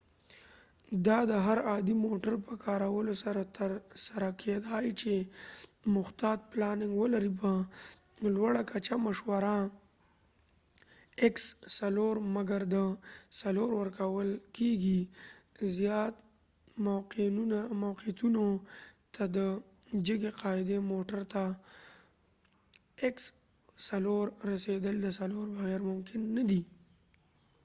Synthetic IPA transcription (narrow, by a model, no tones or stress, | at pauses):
d̪ɑd̪əɦaɾɑd̪imoʈəɾpəkʰɑɾawəlosaɾat̪əɾsaɾakʰed̪ɑjt͡ʃe | mʊxt̪ɑt̪̚plɑnɪŋɡwəlaɾip̬ə | lwaɽakat͡ʃamaʃwaɾa | ɪksːaloɾmaɡaɾd̪əsaloɾwəɾkawəlkeɡi | zjɑt̪ | maqinunamawqit̪unot̪ad̪ə | d͡ʒəɡeqɑɪd̪emoʈəɾt̪a | eks | saloɾɾased̪əld̪əsaloɾbaɣɛɾmʊmkɪnːad̪i